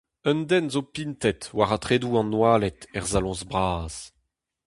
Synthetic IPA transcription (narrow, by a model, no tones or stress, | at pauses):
œnd̪ɛnzopint̪ɛt̪waʁatχeːduɑ̃nwaːlɛt̪ɛʁzalɔ̃zbʁaːz̥